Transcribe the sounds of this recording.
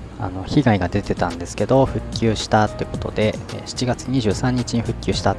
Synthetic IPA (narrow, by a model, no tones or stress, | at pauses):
a̰no̞çiɡaiɡad̪e̞t̪e̞t̪ãnd̪e̞sɨ̥ke̞d̪o̞ɸɯ̟kʲːɨ̟ːɕi̥t̪at̪ːeɯ̟ko̞̥t̪o̞̰d̪e̞ɕi̥t͡ɕiɡat͡sɨɲ̟iʑɨːsãɲ̟ːit͡ɕiɲ̟iɸɯ̟kʲːɨːɕi̥t̪a